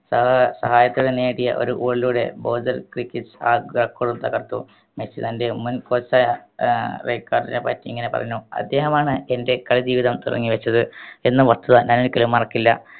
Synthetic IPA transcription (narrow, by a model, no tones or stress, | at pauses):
sɐsɐɦaːjɐt̪ːuuɽeneːɽijɐ̰ʔo̞̰ɾuʔuːɭiluːɽe̞̰boːd͡ʑɐlkrikʲːisa̰ːɡrɐkːoːɽumt̪ɐɣɐrt̪ːu | met͡ɕit̪ɐnde̞munkoːt͡ɕːa | rejkːaːrɖindepa̰ːtːiiŋːɐne̞pɐ̰rɐɲːuɐ̰d̪ːe̞ːɦɐmaːɳɨe̞nde̞kɐɭid͡ʑiːʋiðɐmt̪urɐ̰ŋːiʋɐt͡ɕːɐðɨe̞nːɨʋɐst̪ʰɐðɐɲʔaːnoɾukelumːɐrɐkːilːɐ̰